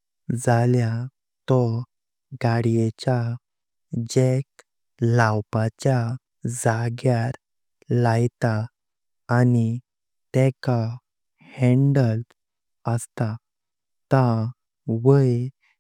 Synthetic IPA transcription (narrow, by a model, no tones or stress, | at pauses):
d͡zalja | t̪ɔ | ɡaɽijet͡ɕa | d͡ʑek | lawpat͡ɕja | d͡zaɡjaɾ | lajt̪aː | ni | t̪ɛka | hɛɳɖəl | əst̪a | t̪a | ʋəj